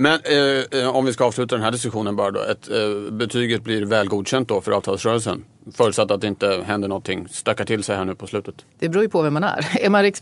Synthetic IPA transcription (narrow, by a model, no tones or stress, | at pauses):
mɛn | ɔmvɪskaɑːvslʉ̟ːt̪ad̪ɛnɦæːɖɪskɵɧuːnənbɑːɾad̪ɔ̰ʔɛt̪bɛt̪ʰyːɡət̪̚blɪɾvɛːlɡuːd̪ɕɛnt̪̚d̪ɔfœɾɑ̰ːvt̪ʰɑːlsɾœːɾəlsə̰n | fœːɾət̪sat̪ːat̪̚d̪ɛɪnt̪əɦɛnd̪əɳɔt̪t̪ʰːɪŋːst̪ɑkːaʈʰɪlsɛjhæːɳʉ̟ːpʰɔslʉ̟ːt̪ət̪d̪̥ɛbɾuːɾjɵpʰɔvɛmːanæ̰ɾɛmaɾɪk